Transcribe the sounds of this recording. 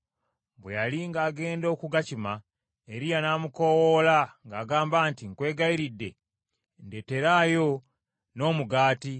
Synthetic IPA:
bwḛjaliŋɡaːɡe̞ːndo̞ːkuɡacima | e̞ɾijanamukowolaŋɡaːɡaːmbaːntiŋkwe̞ːɡaiɾidːe̞̰ | ndete̞ɾaːjo̞ | no̞ːmuɡaːti

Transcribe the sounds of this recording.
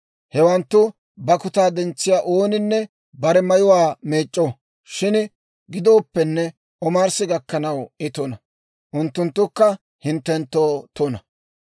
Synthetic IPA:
hɛwɐnt̪ːʊ | bɐkʊt̪aːd̪ɛnt͡sːɪjaːʔoːnɪnːɛ | bɐɾɛmɐjʊwaːmeːt͡ʃʼːo | ʃɪn | ɡɪd̪o̞ːpːɛnːɛ | ʔɔmaːɾsɪɡɐkːɐnɐwɪt̪ɔnɐ | ʔʊnt̪ːʊnt̪ːʊkːɐ | hɪnt̪ːɛnt̪ːoːt̪onɐ

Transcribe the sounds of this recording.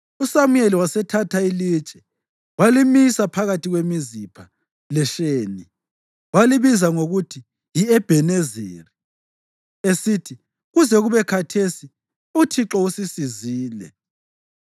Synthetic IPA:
usamueliwasɛtʰatʰailid̥t͡ʃʼɛ̥ | walimisapʰaɣatiɣwemizipʰa | lɛʃeːni | waliβizaŋoɣutʰi | jiɛb̥ʱɛnezḭːri | esitʰi | ɣuzɛɣuβɛkʰatʰesi | utʰiǁɔusisiziːlɛ̰

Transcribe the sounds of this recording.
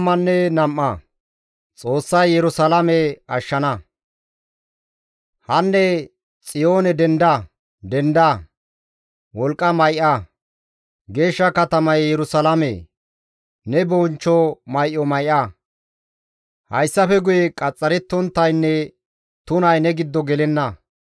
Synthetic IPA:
mːɐnːɛnɐmːɐ | t͡sʼo̞ːsːɐjːɛɾʊsɐlɐmɛɐʃːɐnɐ | hɐnːɛ | t͡sʼɪjoːnɛd̪ɛnd̪ɐ | d̪ɛnd̪ɐ | wɔlkʼːɐmɐjʔɐ | ɡe̞ːʃːɐkɐt̪ɐmɐjːɛɾʊsɐlɐmḛ | nɛboːnt͡ʃːɔmɐjʔɔmɐjʔɐ | hɐjsːɐfɛɡʊjɛkʼɐt͡sʼːɐɾɛt̪ːɔnt̪ːɐjnːɛ | t̪ʊnɐjnɛɡɪd̪ːɔɡɛlɛnːɐ

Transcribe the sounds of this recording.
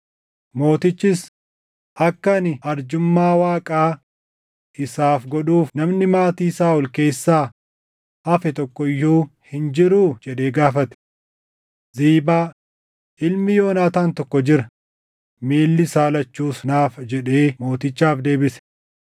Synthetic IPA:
mo̞ːt̪ɪt͡ʃːɪs | ʔɐkːɐnɪɐɾd͡ʒʊmːaːwaːkʼaː | ʔɪsaːfɡɔᶑuːfnɐmnɪmaːt̪iːɪsaːɔlke̞ːsːaː | hɐfɛt̪ɔkːɔɪjːuːhɪnd͡ʒɪɾuːd͡ʒɛᶑeːɡaːfɐt̪ɛ̥ | ziːbaː | ʔɪlmɪjo̞ːnaːt̪aːnt̪ɔkːɔd͡ʒɪɾɐ | miːlːɪsaːlɐt͡ʃːuːsnaːfd͡ʒɛᶑeːmo̞ːt̪ɪt͡ʃːaːfd̪e̞ːbɪsɛ̥

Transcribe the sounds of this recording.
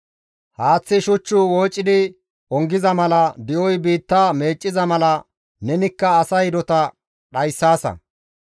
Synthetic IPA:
haːt͡sːɪʃʊt͡ʃːʊwɔːt͡ʃʼːɪd̪ɪ | ʔɔŋɡɪzɐmɐlɐd̪ɪʔɔjbiːt̪ːaːme̞ːt͡ʃʼːɪzɐmɐlɐ | nɛnɪkːɐːsɐjd̪ɔt̪ɐ | ɗɐjsːaːsɐ̰

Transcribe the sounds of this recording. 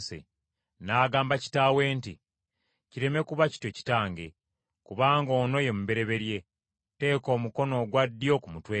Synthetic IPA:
sḛ | naːɡaːmbaci̥tawe̞ːnti | ciɾe̞me̞kuβaci̥tweci̥taːŋɡe̞ | kuβaːŋɡo̞ːno̞je̞muβe̞ɾe̞βe̞ɾje̞ | te̞ːko̞ːmuko̞no̞ːɡwadːjo̞kumutweː

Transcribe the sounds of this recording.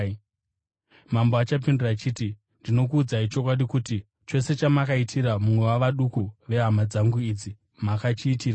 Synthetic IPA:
mamboat͡ʃap̬indurat͡ʃiti | ndino̞k̬uːd͡zaɦit͡ʃo̞kwaɗikuti | t͡ʃo̞se̞t͡ʃamakaitʰiɾamumwe̞waʋaɗukuʋe̞ɦamad͡zaŋɡuid͡zi | makat͡ʃiːtiːra

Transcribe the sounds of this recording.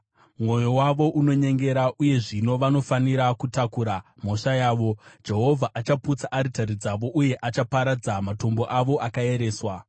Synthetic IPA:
mŋwo̞jo̞waʋo̞ʔuno̞ɲe̞ŋɡe̞ɾaʔuje̞ʐino̞ʋano̞faniɾakutakuːɾam̤o̞ʂajaːʋo̞d͡ʒe̞ɦo̞vʱaʔat͡ʃaput͡saʔːɾitaɾid͡zaʋo̞ʔuje̞ʔat͡ʃapaɾad͡zamato̞mbo̞ʔaʋo̞ʔakae̞ɾe̞ːswa

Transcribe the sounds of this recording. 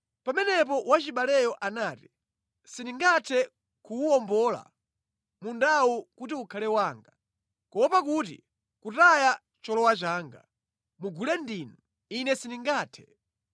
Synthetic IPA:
pamɛnɛp̬ɔwat͡ʃiɓalɛjɔʔanaːti | siniŋɡatʰɛ | kuuwɔmbɔla̰ | mundawukutiukʰalɛwaːŋɡa | kɔwɔpakut̬ḭ | kutaja | t͡ʃɔlɔwat͡ʃaːŋɡa̰ | muɡulɛndiːnu | inɛsiniŋɡaːtʰɛ̥

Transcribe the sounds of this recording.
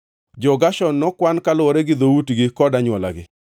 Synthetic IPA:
d͡ʒɔɡaʃɔnːɔkwankalwɔɾɛɡɪd̪owutɡɪkɔdaɲwɔla̰ɡɪ̰

